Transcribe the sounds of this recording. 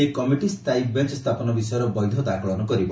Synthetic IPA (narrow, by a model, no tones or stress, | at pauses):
ekɔmiʈist̪ajk̚bent͡ʃɔst̪ʰapɔnɔbisɔjɔɾɔbɔjd̪ʱɔd̪akʰɔɭɔnɔkɔɾibɔ